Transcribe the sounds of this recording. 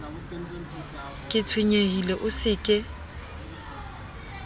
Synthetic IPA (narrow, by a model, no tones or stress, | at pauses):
kʼɪt͡sʰweɲehileʔʊsɪkʼɪ